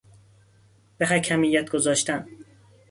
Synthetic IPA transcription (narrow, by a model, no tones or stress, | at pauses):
b̥eɦæcʰæmijːæt̪̚ʰɡ̥ozɒːʃt̪ʰæn